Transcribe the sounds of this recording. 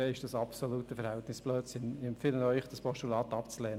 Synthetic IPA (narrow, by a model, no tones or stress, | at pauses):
ɪʃd̥ɑsɑpsoluːtəfəɾhæltnɪsb̥lœːsɪnɪɛmpfɪlənœʏχd̥ɑspɔʃtulɑːt̪ɑpt͡slɛːn